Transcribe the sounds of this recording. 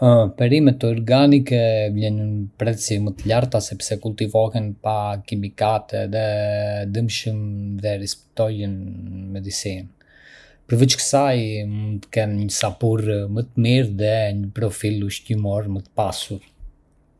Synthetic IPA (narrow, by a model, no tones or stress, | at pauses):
pɛɾimɛt̪ɔɾɡanikɛvlɛɲənpɾɛsimət̪əʎaɾt̪asɛpsɛkult̪ivɔhɛnpakimikat̪ɛðɛd̪əmʃəmðɛɾispɛ̥t̪ɔjənmɛd̪isin | pəɾvit͡ʃkə̥sajmunt̪əkɛnɲəsapurmət̪əmiɾðɛɲəpɾɔfiluʃcimɔɾmət̪ə̥pasuɾ